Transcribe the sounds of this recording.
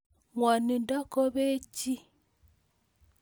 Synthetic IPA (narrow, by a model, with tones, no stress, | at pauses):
ŋɔ˨ni˨ndɔ˦ko˦βe˦t͡ʃi˦